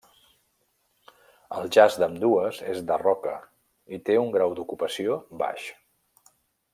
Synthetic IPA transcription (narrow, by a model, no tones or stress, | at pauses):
əlˠʒazd̪əmd̪uəzḛzd̪ərɔkə̰ | it̪euŋɡɾawd̪ukupəsioba̰ʃ